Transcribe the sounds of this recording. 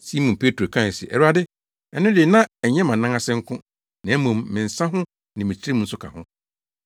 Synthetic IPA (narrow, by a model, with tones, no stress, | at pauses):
si˦mũ˨pʰe˦tʰo˨kʰã˦˨sḭ˨ʔɛ̰˨ɾu˦a˦dɪ˦ | ɛ˨nʊ̃˦dɪ˨nã˦ɛ˨˦ɲɛ̃˦mã˨nã˦ŋa˦sɪ̃˦ŋ̩˦kʰʊ̃˦ | nã˨˦mʊ̃˨mːɪ̃˨n̩˨sã˦ɦʊ̃˦ | nɪ̃˨mĩ˨t͡ɕʰi˦ɾe˦mũ˦n̩˦sʊ˦kʰa̰˨hʊ̰̃˦